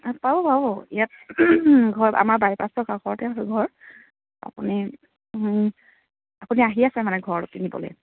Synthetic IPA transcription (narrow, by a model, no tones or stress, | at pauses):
pabɔpabɔijat̚ | ɡʱɔa̰maɹbajpastʰɔkakɔɹtɛalɡʱɔɹ | a̰punĩ | apuniaɦiasɛmanɛɡʱɔɹɹkinibɔ̰lo̰j